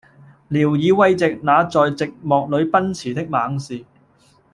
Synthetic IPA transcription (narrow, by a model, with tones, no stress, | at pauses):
liː˨˩wjiː˨˧wɐ˧jt͡sɪ˨k̚naː˨˧t͡sɔː˨jt͡sɪ˨k̚mɔː˨k̚lɵ˨˧ɥpɐ˥nt͡sʰiː˨˩t̪ɪ˥k̚maː˨˧˥ŋsiː˨